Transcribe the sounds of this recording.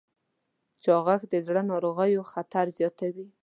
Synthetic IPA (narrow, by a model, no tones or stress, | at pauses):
t͡ʃɑɣaxd̪əzɽənɑɾoɣəjoxat̪aɾzjɑt̪awi